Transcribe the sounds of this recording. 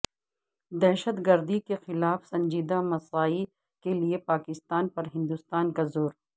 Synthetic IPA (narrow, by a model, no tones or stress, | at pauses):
d̪ɛɦʃət̪ɡɐɾd̪ikexɪlaːfsɐ̃ɲd͡ʒiːd̪amɐsaːi | keliepaːkɪst̪aːnpɐɾɦɪ̃nd̪ust̪aːnkazoːɾ